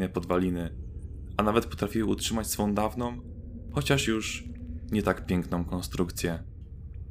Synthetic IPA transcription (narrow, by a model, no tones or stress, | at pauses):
nɛpɔd̪valʲinɘ | anavɛt̪̚pɔ̥t̪ɾafʲiwɛutʂɘmat͡ɕsfɔ̃w̃d̪avnɔ̃w̃ | xɔt͡ɕaʂjuʂɲɛt̪akpʲjɛŋknɔ̃w̃kɔ̃nst̪ɾukt̪sʲjɛ